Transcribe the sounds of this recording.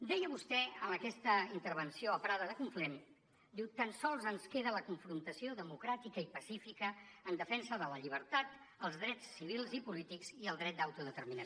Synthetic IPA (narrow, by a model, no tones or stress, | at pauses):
d̪ɛjəβust̪ɛəməkɛst̪əint̪əɾβənsioəpɾaðəðəkuɱflem | d̪iwt̪ənsɔlˠzənskeðələkuɱfɾunt̪əsioðəmukɾat̪ikəipəsifikəːnd̪əfɛnsəðələʎiβ̞əɾt̪at̪ | əlˠzðɾɛt͡sːiβ̞ilˠzipulit̪ikziəlˠd̪ɾɛt̪̚d̪awt̪uðət̪əɾminə